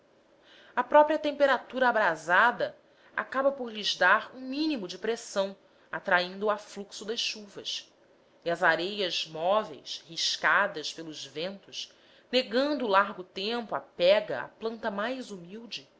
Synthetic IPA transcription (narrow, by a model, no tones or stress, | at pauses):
ɐpɾɔpɾiɐt̪ẽmpeɾat̪uɾɐabɾazad̪ɐ | a̰kabɐpoɾlizd̪aɾũmĩnimʊd͡ʒɪpɾesɐ̃w̃ | at̪ɾaĩnd̪ʊafluksʊd̪ɐsʃuvɐs | iɐzaɾejɐzmɔvḛjshiʃkad̪ɐʃpelˠʊzvẽnt̪ʊʃ | neɡɐ̃nd̪ʊlaɾɡʊt̪ẽmpʊa̰pɛɡɐ̰a̰plɐ̃nt̪ɐmajzumiwd͡ʒɪ